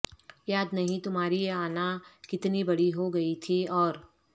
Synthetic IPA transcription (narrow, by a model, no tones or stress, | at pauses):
jaːd̪nɐɦĩt̪ʊmɦaːɾijeaːnakɪt̪nibɐɽiɦoɡɐit̪ʰiɔːɾ